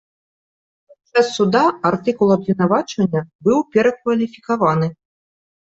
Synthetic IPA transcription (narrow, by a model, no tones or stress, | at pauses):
pasɛsːud̪aart̪ɨkulˠɐbvʲinavat͡ʂɐnʲːɐbɨwpʲɛɾɐkvɐlʲifʲikavanɨ